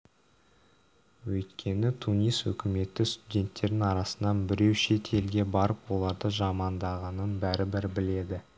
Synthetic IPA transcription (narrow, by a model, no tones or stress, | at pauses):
wɵjt̪kʲʰe̞nɪt̪ʰunijswɵ̰kʲɪme̞t̪ːɪst̪udʲe̞nt̪ːe̞ɾd̪ɪnɑɾɑsənɑnbɪɾe̞wʃe̞t̪ʰe̞lɡʲe̞bɑɾəpwo̞lˠɑɾd̪əʒɑmɑnd̪ɑʁɑnənbæɾɪbɪɾbɪle̞d̪ɪ